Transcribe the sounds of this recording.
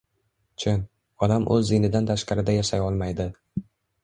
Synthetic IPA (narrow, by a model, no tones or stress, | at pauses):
t͡ʃʰɪn | ɒd̪amʔɵ̰zːinɪd̪ant̪ʰaʃqɑɾɪd̪ajaʃajɒlˠmajd̪ɪ